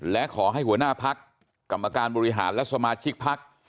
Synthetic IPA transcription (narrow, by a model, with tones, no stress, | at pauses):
lɛ˦˥kʰɔː˩˦ɦa˥˩jhu˩˦ɐənaː˥˩pʰa˦˥kː | a˨mːa˧kaː˧nbɔː˧ɾi˦˥ɦaː˩˦nlɛ˦˥sa˧maː˧t͡ɕʰi˦˥k̚pʰːa˦˥k̚